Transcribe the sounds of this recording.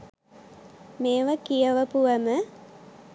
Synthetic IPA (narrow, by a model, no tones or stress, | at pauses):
meːʋəkijəʋəpuʋəmə